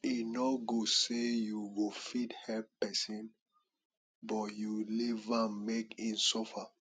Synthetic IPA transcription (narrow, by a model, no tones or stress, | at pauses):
inɔɡosejuwofidhɛlppɛsĩn | bɔtjulivãnmekĩnsɔfa